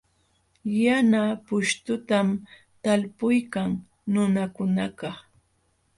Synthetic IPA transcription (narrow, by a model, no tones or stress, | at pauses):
janapʊʃt̪ʊt̪am | t̪alpʊjkaŋ | nʊnakʊnakɑ